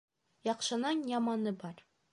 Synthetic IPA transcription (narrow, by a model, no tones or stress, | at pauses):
jɒqʃɤ̆nɑnjɒmɑnɤbɒɾ